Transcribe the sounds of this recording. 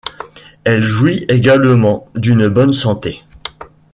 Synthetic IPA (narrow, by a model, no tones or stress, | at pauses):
ɛlʒwieɡalmɑ̃d̪ynbɔnsɑ̃t̪e